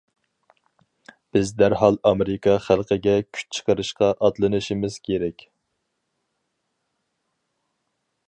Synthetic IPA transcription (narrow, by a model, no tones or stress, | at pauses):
b̥ɪzd̪æɾɦɑlˠɑmeɾɪkɑχælˠqʰəɡʲɛkʲʰy̥t͡ʃʰə̥qəɾɨʃqɑʔɑd̪lˠɨnɨʃimɪz̥kʲʰeɾɛkʲ